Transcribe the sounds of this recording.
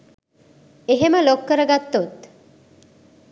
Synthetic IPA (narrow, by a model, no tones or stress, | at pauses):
eɦemalokːəɾaɡat̪ːot̪